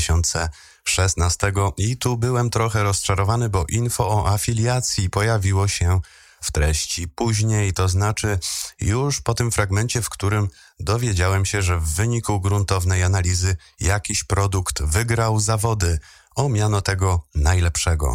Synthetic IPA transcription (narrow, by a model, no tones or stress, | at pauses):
ɕɔnt̪sɛ | ʂɛsnast̪ɛɡɔit̪ubɘwɛmt̪ɾɔxɛɾɔst͡ʂaɾɔvanɘbɔʔinfɔːʔafʲilʲjat̪sʲjipɔjavʲiwɔɕɛ | ft̪ɾɛɕt͡ɕipuʑɲejt̪ɔznat͡ʂɘjuʂpɔt̪ɘmfɾaɡmɛnt͡ɕɛfkt̪uɾɘm | d̪ɔvʲjed͡ʑawɛmɕɛʐɛvːɘɲikuɡɾunt̪ɔvnɛjanalʲizɘ | jakʲiɕpɾɔd̪ukt̪vɘɡɾawzavɔd̪ɘ | ɔmʲjanɔt̪ɛɡɔnajlɛpʂɛɡɔ̰